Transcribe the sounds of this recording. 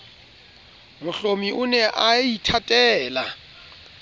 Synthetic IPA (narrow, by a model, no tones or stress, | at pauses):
mʊɬomiʔʊnɛʔaitʰatʼɛːla